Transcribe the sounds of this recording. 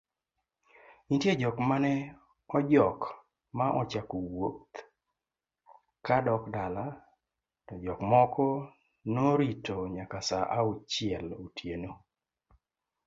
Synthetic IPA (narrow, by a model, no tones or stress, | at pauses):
intjed͡ʒɔkmanɛ | ɔd͡ʒɔk | maʔɔt͡ʃakowot̪ | kadɔkdala | tɔd͡ʒɔkmɔkɔ | noɾitoɲakasaʔaut͡ʃɪɛlotʰjeno